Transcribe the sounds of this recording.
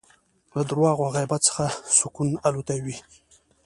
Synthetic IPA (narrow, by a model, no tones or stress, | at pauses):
lad̪ʊɾwɑɣwaɣajbat̪t͡sə̥xasʊkunalot̪awi